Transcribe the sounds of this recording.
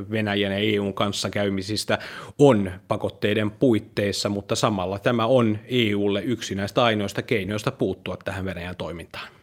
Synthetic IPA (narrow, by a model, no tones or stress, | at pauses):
ʋenæjænjɑeːuːŋkɑnsːɑkæymisist̪æonpɑkot̪ːeidempuit̪ːeisːɑmut̪ːɑsɑmɑlːɑt̪æmæoneːuːlːeyksinæist̪æɑinoist̪ɑkeinoost̪ɑpuːt̪ːuɑt̪tæhæʋʋenæjænt̪oimint̪ɑ̥ːn